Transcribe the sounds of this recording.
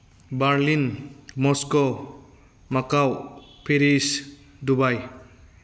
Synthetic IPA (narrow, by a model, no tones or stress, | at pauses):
baɾlinmɔskɔ | makawpʰeɾis | dubaj